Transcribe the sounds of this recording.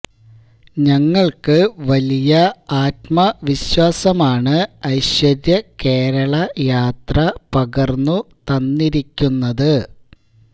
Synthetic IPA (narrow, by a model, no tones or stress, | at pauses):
ɲɐŋːɐɭkɨʋɐlijɐaːtmɐʋiɕwaːsɐmaːɳɨɐjɕwɐɾjɐke̞ːɾɐɭɐjaːt̪rɐpɐɡɐrnːut̪ɐnːiɾikʲːunːɐðɨ